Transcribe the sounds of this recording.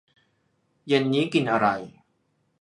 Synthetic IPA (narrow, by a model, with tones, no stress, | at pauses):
je˧nːiː˦˥ki˧nʔa˧ɾa˧j